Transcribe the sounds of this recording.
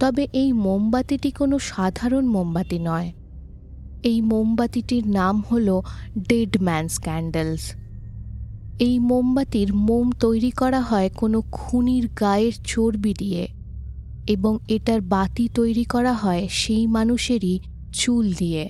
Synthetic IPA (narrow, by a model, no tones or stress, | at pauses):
t̪ɔbeʔejmombat̪iʈikonoʃad̪ʱaɾonmombat̪inɔe | ejmombat̪iʈiɾnamholoɖeɖmɛnskɛɳɖels | ejmombat̪iɾmomt̪ojɾikɔɾaɦɔekonokʰuniɾɡaeɾt͡ɕoɾbid̪ije | eboŋeʈaɾbat̪it̪ojɾikɔɾaɦɔeʃejmanuʃeɾi | t͡ɕuld̪ie